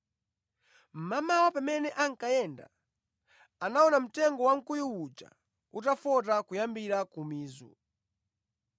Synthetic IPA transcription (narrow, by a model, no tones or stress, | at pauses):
m̩mamawapamɛnɛʔaŋkajɛnda̰ | anaɔnam̩tɛŋɡɔwaŋ̩kujuwut͡ʃa̰ | utafɔt̬akujambiɾakumiːzɔ̰